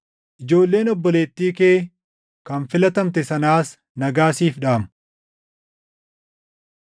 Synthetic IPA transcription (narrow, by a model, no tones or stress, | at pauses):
ʔɪd͡ʒo̞ːlːe̞ːnɔbːɔle̞ːt̪ːiːke̞ː | kɐnfɪlɐt̪ɐmt̪̬ɛsɐnaːs | nɐɡaːsiːfᶑaːm